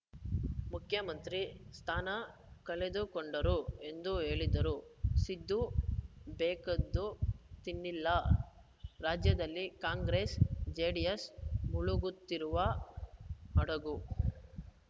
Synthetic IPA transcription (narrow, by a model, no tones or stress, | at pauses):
mukʰjɐmɐnt̪ɾist̪ʰaːnɐ | kɐled̪ukoɳɖɐɾue̞nd̪ue̞ːɭid̪ɐɾusid̪ːu | bɛːkɐd̪ːut̪inːilːɐ | ɾaːd͡ʒjɐd̪ɐlːikaːŋɡɾeːsd͡ʒeːɖijesmuɭuɡut̪ːiɾuʋɐ | ɐɽɐɡu